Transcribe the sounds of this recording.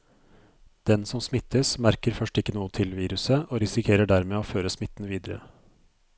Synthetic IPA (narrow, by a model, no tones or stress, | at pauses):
d̪̥ɛnsɔmsmɪt̪ʰːəsmæɾkəɾfœʂʈɪkːənuːət̪ʰɪlʋiːɾʉsəʔoːɾɪsɪkʰeːɾəɖæɾmeːoːføːɾəsmɪt̪ːn̩ʋiːd̪əɾə̰